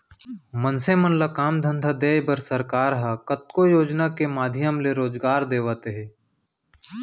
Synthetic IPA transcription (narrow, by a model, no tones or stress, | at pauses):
mənsemənləkaːmd̪ʱə̃nd̪ʱəd̪eːjbəɾsəɾkaːɾɦakət̪̚kojoːd͡ʒnakemaːd̪ʱɪjəmleɾoːd͡ʒɡaːɾd̪eːʋaːt̪eɦeː